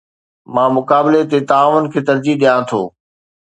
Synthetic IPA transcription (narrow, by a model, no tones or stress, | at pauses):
mãːmʊkaːbɪlet̪et̪aːʋʊnɪ̆kʰeːt̪ɐɾd͡ʑiɗijãt̪ʰo̰ː